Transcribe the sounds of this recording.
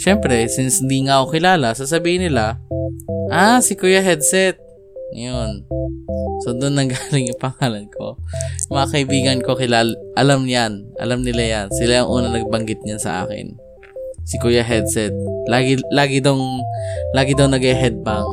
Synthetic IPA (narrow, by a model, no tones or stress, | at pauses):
ʃɛmpɾɛsɪnshɪnd̪iŋaʔokɪlaːlɐsas̬ɐbiːhɪnːɪla | ʔasɪkujɐɦɛd̪sɛt̪̚ | ɐ̰jon | sod̪ʊnːɐŋɡaːlɪŋjʊŋpɐŋaːlɐnkʰo̞̰mɐŋakɐʔɪbiːɡɐnko̞kɪlaːlʔɐlamɲanʔɐ̰lamnɪlajansɪlajɐŋʔuːnɐnɐɡ̚bɐŋɡɪt̪̚ɲansɐ̰ʔa̰ːkɪ̰n | sɪkujɐɦɛd̪sɛt̪̚laːɡɪlaːɡɪd̪oŋlaːɡɪd̪owŋnɐɡɛɦɛd̪̚baŋ